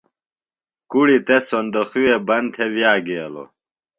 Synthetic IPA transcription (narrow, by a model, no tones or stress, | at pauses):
kuɽit̪esond̪oxuwebɐnt̪ʰewjaːɡeːlo̰